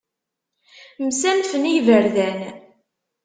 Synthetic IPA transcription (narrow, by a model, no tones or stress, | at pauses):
msæmθənijvəɾðæn